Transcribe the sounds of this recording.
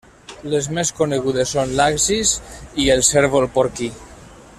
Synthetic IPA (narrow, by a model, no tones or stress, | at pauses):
lezmeskoneɣ̞uðesːonlakzizielˠseɾβolpoɾki